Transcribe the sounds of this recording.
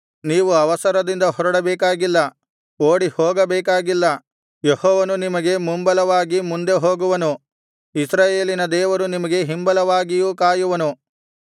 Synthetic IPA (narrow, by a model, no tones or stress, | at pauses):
niːʋuɐʋɐsɐɾɐd̪ind̪ɐɦɔɾɐɽɐbɛːkaːɡilːɐ | oːɽihoːɡɐbɛːkaːɡilːɐ | jehɔːʋɐnunimɐɡe̞mumbɐlɐʋaːɡimund̪e̞ɦoːɡuʋɐnu | isɾaːjeːlinɐd̪ɛːʋɐɾunimɐɡe̞ɦimbɐlɐʋaːɡijuːkaːjuʋɐnu